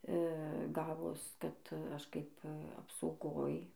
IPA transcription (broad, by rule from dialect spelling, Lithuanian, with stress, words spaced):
ˈɡɑːʋoːs ˈkɐt ˈɐʃ kɐɪp ɐpsɐʊˈɡoːj